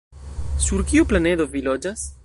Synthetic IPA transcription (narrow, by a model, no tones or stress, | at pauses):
suɾkiuplane̞d̪o̞vilod͡ʒas